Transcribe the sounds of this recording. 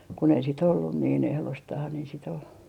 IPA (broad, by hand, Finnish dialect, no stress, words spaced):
kun ei sit olːun niːn ehlostɑh sit ol